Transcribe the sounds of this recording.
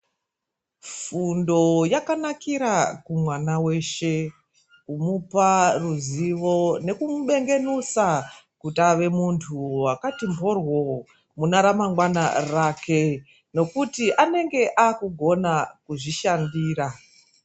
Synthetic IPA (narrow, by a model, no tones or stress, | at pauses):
fundo̞jakanakiɾakumwanawe̞ʃe̞ | kumuparuziʋo̞ne̞kumuɓe̞ŋɡe̞nusa | kutaʋe̞muntʰuwakatimborwo | munaɾamaŋɡwana̰rakʰe̞ | no̞kutiʔane̞ŋɡe̞ʔaːkuɡʱo̞nakuʐiʃandiːɾa